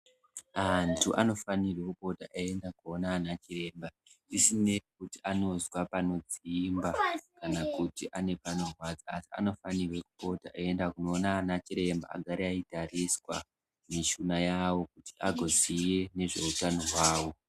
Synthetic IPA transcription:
antʰuʔa̰no̞fanirwekupo̞taʔae̞ndakuonaːnat͡ʃire̞ːmba | isine̞kutiʔano̞zwapano̞d͡ziimbakanakutiʔane̞pano̞rwad͡zaːsia̰no̞fanirwe̞kupo̞taʔaendakuno̞ːnaːnat͡ʃiɾe̞mba̰a̰ɡʱaɾeaitariswa | miʃunajawo̞kutiʔaɡʱo̞zijene̞ʐe̞utano̞ɦwaːwo̞

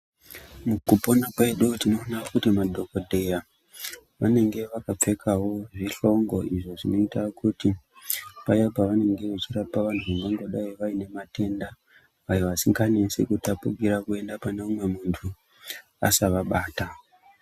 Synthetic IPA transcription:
mukupo̞nakwe̞ɗutino̞nakutimadʱo̞kodʱe̞ja | ʋane̞ŋɡe̞ʋakap͡fe̞kʰawo̞ʐiɬo̞ŋɡo̞iʐo̞ʐino̞itakuti | pajapaʋane̞ŋɡe̞ʋet͡ʃirapaʋantʰuʋaŋɡoŋɡo̞ɗaiʋaine̞mate̞nda | ʋajoʋasiŋɡanesḛkutapuɡiɾakue̞ndapaneumwe̞muntʰu | a̰saʋaɓaːta

